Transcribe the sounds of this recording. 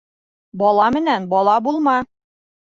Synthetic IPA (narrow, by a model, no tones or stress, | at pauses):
bɒlˠɑmɘ̆nænbɒlˠɑbulˠmɑ